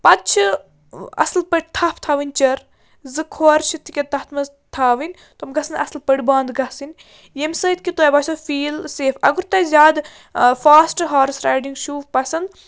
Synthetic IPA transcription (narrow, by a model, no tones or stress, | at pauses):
pɐt͡ʃʰɨ | ɐ̰slpəɽ̚ʲt̪ʰɐpʰt̪ʰaːʋinʲt͡ʃɐɾ | zɨkʰoːɾʃit̪ikʲɐt̪ɐht̪ʰmɐz | t̪ʰaːʋinʲ | t̪omɡɐsɐnɐslpɐɽʲbaːnd̪ɡɐsinʲ | jemsəːit̪̚ʲkʲit̪oːjbasɐfiːlseːfɐɡuɾt̪ɐzʲaːd̪ | faːsʈɦaːɾsɾaːjɖiŋɡʃuːpɐsɐnd̪